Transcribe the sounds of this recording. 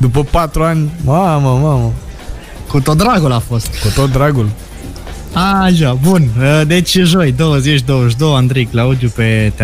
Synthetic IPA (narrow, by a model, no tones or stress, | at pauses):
d̪upəpat̪ɾuanʲmaməmamə | kut̪ot̪̚d̪ɾaɡulafo̞st̪kut̪ot̪̚d̪ɾaɡul | aʃabunəd̪et͡ʃʒojd̪owəzet͡ʃʲd̪owəʃ̬d̪owand̪ɾiklaud̪jupet̪